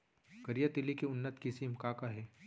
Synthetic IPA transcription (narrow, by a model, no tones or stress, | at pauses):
kɐɾijət̪ilikiʊnːət̪kisimkakaɦɛː